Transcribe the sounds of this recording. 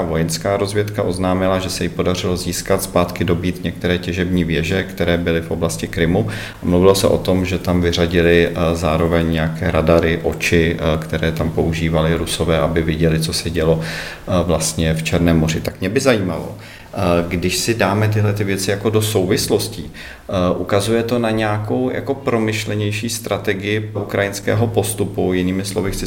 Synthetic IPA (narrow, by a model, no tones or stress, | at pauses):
avo̞jɛnskaːɾozvjɛt̪kaʔo̞znaːmɪlaʒɛsɛjɪpo̞dar̝ɪlo̞ziːskat̪spaːt̪kɪdo̞biːt̪ɲɛk̚t̪ɛɾɛːcɛʒɛbɲiːvjɛʒɛkt̪ɛɾɛːbɪlɪfʔoblascɪkɾɪmu | amluvɪlosɛ̰ʔo̞̰t̪o̞mʒɛt̪amvɪr̝aɟɪlɪzaːɾo̞vɛɲɲɛjakɛːɾadaɾɪʔo̞t͡ʃɪkt̪ɛɾɛːt̪ampo̞uʒiːvalɪɾuso̞vɛːʔabɪvjɛɟɛlɪt͡so̞sɛɟɛlo̞ | vlast̪ɲɛft͡ʃɛɾnɛːmːo̞r̝ɪt̪akmɲɛbɪzajiːmalo̞̰ | ɡdɪʃsɪdaːmɛt̪̬ɪɦlɛt̪ɪvjɛt͡sɪjako̞do̞so̞wvɪslo̞sci | ʔukazujɛt̪o̞naɲɛako̞wja̰ko̞pɾo̞mɪʃlɛɲɛjʃiːst̪ɾʔat̪ɛɡɪjɪʔukɾajɪnskɛ̰ːɦo̞po̞st̪upujɪniːmɪslo̞vɪxt͡sɪ